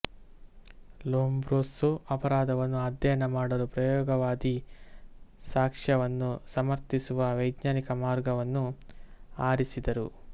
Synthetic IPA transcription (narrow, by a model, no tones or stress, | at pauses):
loːmbɾoːsuɐpɐɾaːd̪ʱɐʋɐnːuɐd̪jɐjɐnɐmaːɽɐɾupɾɐjɔːɡɐʋaːd̪i | saːkʂɐʋɐnːusɐmɐɾt̪isuʋɐʋɐjd̪ɲaːnikɐmaːɾɡɐʋɐnːu | aːɾisid̪ɐɾu